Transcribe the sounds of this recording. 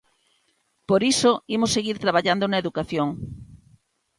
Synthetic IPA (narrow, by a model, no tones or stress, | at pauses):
poɾisoimosːeɣiɾt̪ɾaβ̞aʎand̪onaeðukaθjoŋ